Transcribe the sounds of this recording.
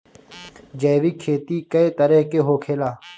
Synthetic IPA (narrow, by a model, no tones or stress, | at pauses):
d͡ʒɐːʋiːkʰeːt̪iːkɐet̪ɐɾeɦkeɦoːkʰeːlaː